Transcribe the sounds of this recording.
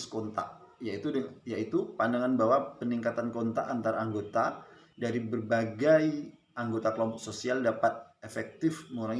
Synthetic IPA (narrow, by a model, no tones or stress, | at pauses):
skɔnt̪a̰ʔ | jait̪udəjait̪upandaŋanbawapəniŋkat̪ankont̪a̰ʔːnt̪aɾaːŋɡot̪a | daɾibərbaɡaj | aŋɡot̪akəlɔmpɔksosialdapat̪̚efɛk̚t̪ɪfməŋuɾaŋ